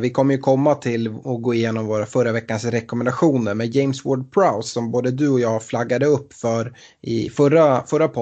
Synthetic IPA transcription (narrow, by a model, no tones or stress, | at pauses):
vɪkʰɔmːəɾjɵkʰɔmːat̪ʰɪlɔɡoːɪjeːnɔmvoːɾafœɾːavɛkːansɾɛkɔmɛnd̪aɧuːnəɾmɛjɛɪmswɔɖ̚pʰɾaʊsːɔmboːd̪əd̪ɵɔjɑːɡflaɡːad̪əɵpːfœɾ | ɪ̰fœɾafœɾapʰɔ